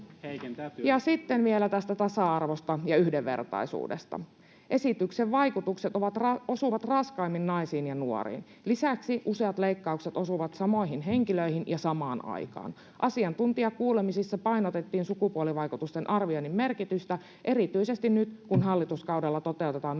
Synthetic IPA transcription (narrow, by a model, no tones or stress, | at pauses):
jɑsit̪ːenʋielæt̪æst̪æt̪ɑsɑɑrʋost̪ɑjɑyhdeʋːe̞̰rt̪ɑ̰isṵːdḛst̪ɑ̰ | ʔe̞sit̪ykseʋʋɑjkut̪ukset̪oʋɑt̪rɑosuʋɑt̪rɑskɑijmːinnɑisiːnjɑnuo̰rḭːn | lisæksiʔuseɑt̪leikːɑukset̪o̞suʋɑt̪sɑmo̞iɦinɦeŋkiløihinjɑsɑmɑːnɑ̰ikɑ̰ːn | ʔɑsiɑnt̪unt̪iɑkuːlemisisːɑpɑinot̪et̪ːiːnsukupuoliʋɑikut̪ust̪enʔɑrʋionːimmerkit̪yst̪æ | ʔe̞ɾit̪yise̞st̪innyt̪kunɦɑlːit̪uskɑudelːɑt̪o̞t̪e̞wt̪e̞t̪ɑːn